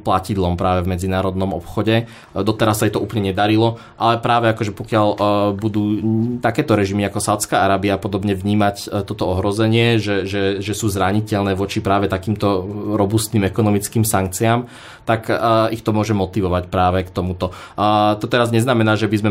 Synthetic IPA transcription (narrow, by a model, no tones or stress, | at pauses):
placid̪lɔmpɾaːʋɛvmɛd͡zinaːɾɔd̪nɔmɔ̰pxɔɟɛ | d̪ɔt̪ɛɾasːajt̪ɔuːplɲɛɲɛd̪aɾilɔ | ʔalɛpɾaːʋɛakɔʒɛpɔkɪaʎbud̪uːt̪akɛːt̪ɔɾɛʒimiakɔsaʊt̪t͡skaːaɾaːbiapɔd̪ɔbɲɛʋɲiːmact̪ɔt̪ɔɔɦɾɔzɛɲɪɛʒɛʒɛʒɛsuːzɾaɲicɛʎnɛːʋɔt͡ʃipɾaːʋɛt̪akiːmt̪ɔɾɔbust̪niːmɛkɔnɔmit͡skiːmsaŋk̚t͡siam | t̪akixt̪ɔmʊɔʒɛmɔt̪iʋɔʋacpɾaːʋɛkt̪ɔmut̪ɔ | t̪ɔt̪ɛɾazɲɛznamɛnaːʒɛbizmɛ